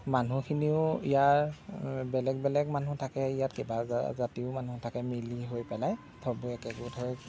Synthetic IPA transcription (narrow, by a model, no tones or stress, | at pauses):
manukʰiniʊḭjaɹbɛlɛɡbɛlɛɡmanutʰakɛijatkeba̰zatiʊmanutʰakɛmiliɦojpɛlaj | tʰɔbuɛkɛkutʰɔj